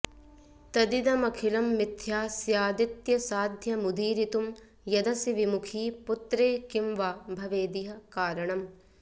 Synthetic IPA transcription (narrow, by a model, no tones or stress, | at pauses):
t̪ɐd̪id̪ɐmɐkʰilɐmːit̪jaːsjaːd̪it̪jɐsaːd̪ʱjɐmud̪iːɾit̪um | jɐd̪ɐsiʋimukʰiːput̪ɾeːkimʋaːbʱɐʋeːd̪iɦɐkaːɾɐɳɐm